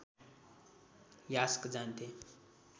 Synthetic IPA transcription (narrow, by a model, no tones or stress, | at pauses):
jaskd͡zant̪e